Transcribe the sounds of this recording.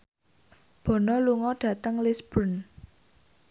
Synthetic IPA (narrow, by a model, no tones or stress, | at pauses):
b̥ɔ̤nɔluŋɔɖ̥ä̤t̪əŋlisb̥ʊn